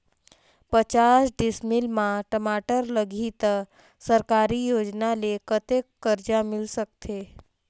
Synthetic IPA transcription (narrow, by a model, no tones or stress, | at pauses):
pət͡ʃasɖɪsmɪlmãʈəmaʈəɾləɡʱit̪ | səɾkaɾijoːd͡ʒnalekət̪ekːəɾd͡ʒamɪlsəkt̪ʰe